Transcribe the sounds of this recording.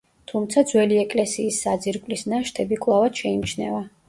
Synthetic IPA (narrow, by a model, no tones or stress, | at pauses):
t̪ʰumt̪sʰad̪zwɛliɛkʼlɛsiːsːad̪ziɾkʼlisnaʃt̪ʰɛbikʼlˠavad̪̥ʃɛimt͡ʃʰnɛva